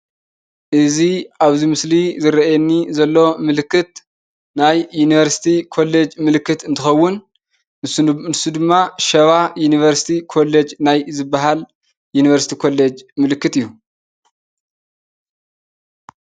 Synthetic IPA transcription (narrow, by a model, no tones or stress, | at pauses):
ʔɨziaβzimɨslizɨɾɐʔjɛnːizɐlːo̞mɨlɨkːɨt̪ | najːuniβɐɾsi̥t̪ʰikʰo̞lːed͡ʒmɨlɨkːɨt̪ɨnt̪ʰɨxɐwːʊn | nsud̪ɨmːaʃɐβajunivɐɾsi̥t̪ʰikʰo̞led͡ʒnajzɨbːaɦal | junivɐɾsi̥t̪ʰikʰo̞led͡ʒmɨlɨkːɨt̪ɨjːu